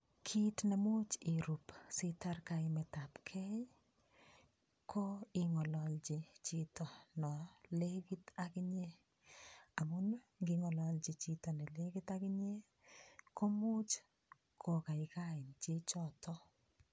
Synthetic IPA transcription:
kʰi˦tna˨mu˦t͡ʃi˨ɾu˨psi˦ta˦rka˨ɪmɛ˨ta˨pkʰɛ˦j | kʰo˦ɪ˦ŋɔ˨lɔ˨ld͡ʒɪ˨t͡ʃi˦tɔ˨nɔ˨le˦ki˦takɪɲe˦ | a˨mu˦n | ŋɡɪ˦ŋɔ˨lɔld͡ʒi˨t͡ʃi˦tɔ˨nɛ˨le˦ki˦ta˦kɪ˦ɲe˦ | ko˦mu˦t͡ʃ | kʰo˨ka˨ɪ˨ka˦ɪ˨nt͡ʃi˦t͡ʃɔ˦tʰɔ˦

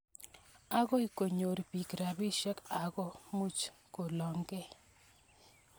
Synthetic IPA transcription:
a˦ɡɔ˦i˨ko˨ɲo˨ɾpi˨kɾa˨bi˦ʃɛ˦ka˨ɡɔ˦mu˦t͡ʃko˨lɔ˨ŋɡɛ˦

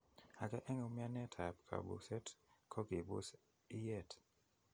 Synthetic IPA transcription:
a˨kɛ˦ʔɛ˦ŋo˨˦mɪ˦a˦nɛ˦tʰa˨pkʰa̰˨bṵ˨sɛ˦tkʰɔ˦ɡi˨bʊ˦s | i˦jɛ˦˨t

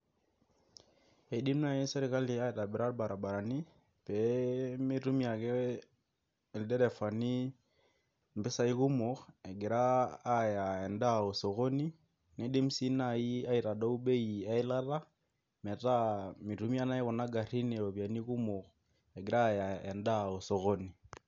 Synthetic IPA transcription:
e˨di˦m˦na˦˨ji˦sɛ˦ɾi˨ka˦li˨a˦ɛ˨ta˨bɛ˨ɾa˦ɾba˨ɾa˨ba˨ɾa˨ni˦ | pɛmi˦ɾu˦mi˦a˨kɛ˦˨ | ldɛ˦ɾɛ˨fa˨ni˦ | m˨bɛ˦sa˦i˦ku˦mo˨ɣɛ˨ɡi˨ɾaː˦ja˨ɛ˨nda˦o˨sɔ˨ɣo˦ni˦ | ne˦di˦m̩˦si˦na˨ji˦a˦i˨ɾa˨do˦u˦ɓɛ˦ia˦i˦la˦la˦ | mɛ˨ta˦mi˨ɾumi˦a˦na˦ɛ˦ɣɔ˨na˦ɡa˨ri˦nɛ˨o˨βja˨ni˦ku˦mo˨ɣ | ɛ˨ɡi˨ɾa˦˨ja˨ɛ˨nda˦o˨sɔ˨ɣo˦ni˨

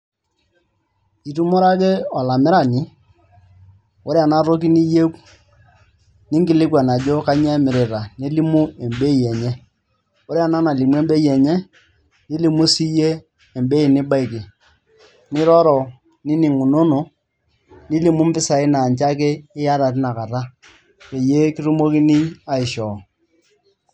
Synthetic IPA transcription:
i˨tu˦mɔ˦ɾa˦k̬e˦ɔ˨la˨mɪ˦ɾa˨nɪ˦ | o˦ɾe˦a˨na˦ɾo˦k̬i˦ni˦je˦k | nɪ˦ŋɡɪ˨lɪ˦kwɛ˨na˨d͡ʒo˦ka˦ɲ˦ɛ˦mɪ˨ɾɪ˨ɾa˨ni˦li˦mu˦e˨mbe˦˨jɛ˨ɲɛ˦ | o˦ɾe˦a˨na˦na˨li˨mwɛ˦mbe˦jɛ˨ɲɛ˦ | ni˦li˨˦mu˦si˦jeː˦˨ | mbe˦i˨nɪ˦ba˦ɪ˨ki˨ | nɪ˦ɾɔ˦ɾɔ˨ | nɪ˦ni˨ŋu˨no˦no˨ | ni˦li˦mu˦m̩˦pɪ˦sa˨ɪ˦na˨nt͡ʃa˦k̬e˦ɪ˦ja˦ɾa˨t̬ɪ˦na˨ka˨ɾa˦ | ke˨je˦ki˦ɾu˦mo˦ki˦ni˦a˨ɪ˨ʃɔ˨

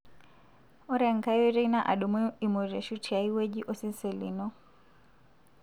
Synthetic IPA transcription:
ɔ˦ɾa˨ŋka˦jɔ˦ɾɛ˦ina˦ʔa̰˨ɗɔ˨mu˦i˨mɔ˨ɾa˨ʃu˦tia˨i˦wɛ˦d͡ʒi˦ʔɔ˦si˦nsɔ˨lḭ˨nɔ˦

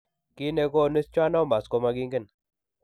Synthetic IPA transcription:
ki˦ne˧ko˦˨ni˦st͡ʃwa˦nɔ˦mba˨sko˧ma˧ɡi˦ŋɡə˦˨n

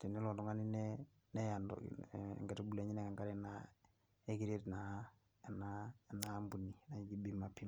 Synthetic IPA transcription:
te˨ni˦lo˨ndɔ˨ŋa˦ni˦nɛ | ne˦ja˨ndo̰˨ŋɡe˨tebule˨ɲi˦nɛ˦ka˨ŋɡa˦ɾena | e˦ki˦ɾetna˨ | nana˦mbu˨nːina˨ɡi˦bima˨pːi˦m

